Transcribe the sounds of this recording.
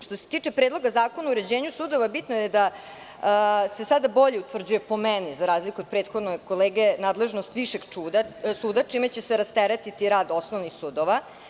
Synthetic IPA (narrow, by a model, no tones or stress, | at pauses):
ʃt̪o̞se̥t̪iːt͡ʂepɾeːd̪lo̞ɡazaːko̞nauɾe̞d͡ʑeːɲusuːd̪o̞ʋabit̪nojed̪a | se̞sad̪abo̞ʎeut̪ʋr̩d͡ʑujepo̞menizaɾaːzlikuod̪̚pɾeːt̪xo̞d̪nojko̞leːɡenaːd̪le̞ʒnost̪ʋiʃeɡt͡ʃuːd̪asuːd̪at͡ʂimet͡ɕeseɾast̪eɾet̪it̪iɾaːd̪o̞snoʋnixsuːd̪oʋa